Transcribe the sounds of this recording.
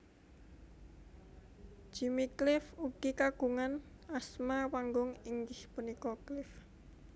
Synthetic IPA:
ʒ̥imiklɪfuɡ̥ikaɡ̥uŋan | asmawaŋɡʊŋɪŋɡɪhpunikɔklɪf

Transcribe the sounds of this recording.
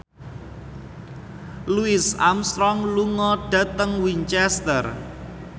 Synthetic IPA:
luɪsamst̪ɾɔŋluŋɔɖ̥ä̤t̪əŋwiɲt͡ʃɛst̪ər

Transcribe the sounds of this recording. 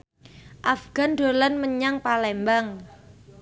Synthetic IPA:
ʔafɡ̥a̤ndo̤lanməɲaŋpalɛmbaŋ

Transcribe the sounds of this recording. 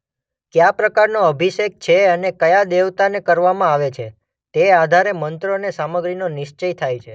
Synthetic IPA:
kjapɾəkaɾnoəbʱiʃek̚t͡ʃʰeənekəjad̪eʋt̪anekəɾʋamãaʋet͡ʃʰe | t̪ead̪ʱaɾemənt̪ɾonesaməɡɾinonɪʃt͡ʃəjt̪ʰajt͡ʃʰe

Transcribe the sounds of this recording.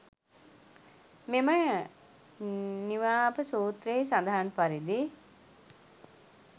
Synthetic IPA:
memə | niʋaːɐpəsuːt̪ɾeːsand̪ɐɦanpaɾid̪i

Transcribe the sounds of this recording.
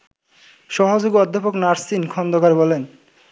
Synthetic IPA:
ʃɔɦod͡ʑoɡiɔd̪ʱːapoknaɾsinkʰɔnd̪okaɾbɔlen

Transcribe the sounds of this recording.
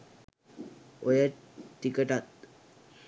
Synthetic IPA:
ojə | ʈːikəʈat̪

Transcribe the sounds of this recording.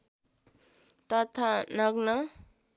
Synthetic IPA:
t̪ʌt̪ʰanʌɡnʌ

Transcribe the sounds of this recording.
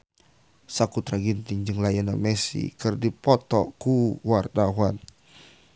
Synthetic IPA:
sakut̪ɾaɡint̪iŋd͡ʒɨŋlajanamɛsḭkɨrdipɔt̪ɔkuwart̪awan

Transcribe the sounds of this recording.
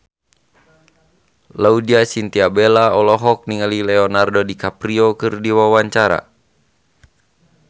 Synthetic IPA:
laudiasint̪iabɛlaɔlɔɦɔk̚niŋalilɛɔnardɔdikapɾiɔkɨrdiwawaɲt͡ʃaɾa̰

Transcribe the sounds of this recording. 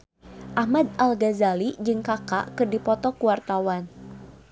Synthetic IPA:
ʔahmad̪̚alɡazalid͡ʒɨŋkaka̰kɨrdipɔt̪ɔkuwart̪awan

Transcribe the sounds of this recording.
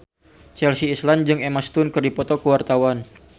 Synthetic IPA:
t͡ʃɛlsiːsland͡ʒɨŋɛmast̪ʊnkɨrdipɔt̪ɔkəwart̪awan

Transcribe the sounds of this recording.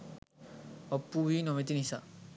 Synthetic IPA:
ɔpːuwinɔmet̪inisa

